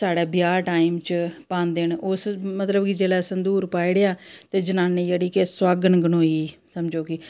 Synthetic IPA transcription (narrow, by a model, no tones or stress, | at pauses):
saːɽɛːbjaːʈaːimt͡ʃpãːnd̪eːnʊsmət̪ləbkɪd͡ʒeːlɛːsənd̪uːɾpaːiɽejaːt̪eːd͡ʒənaːneːd͡ʒeːɽiːkeswaːɡənɡənoːiːsəmd͡ʒoːkiː